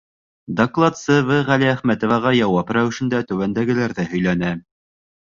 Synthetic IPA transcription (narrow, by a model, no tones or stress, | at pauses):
d̪oklˠɑt̪sɤvɤʁæliæχmæt̪ŏvɑʁɑjɑwɑpɾæwɘ̆ʃɘ̆nd̪æt̪ɵ̆wænd̪æɡɘ̆læɾðɘhɵ̆jlænæ